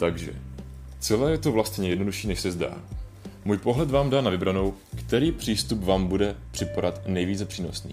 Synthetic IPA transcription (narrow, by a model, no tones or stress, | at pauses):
t̪aɡʒɛ̰t͡sɛlɛːjɛt̪ovlast̪ɲɛjɛdno̞duʃiːnɛʃsɛzda̰ː | muːjpo̞ɦlɛt̪vaːmdaːnavɪbɾano̞wkt̪ɛɾiːpr̥iːst̪upvaːmbudɛpr̝̥ɪpaɾat̪nɛjviːt͡sɛpr̥iːno̞snḭː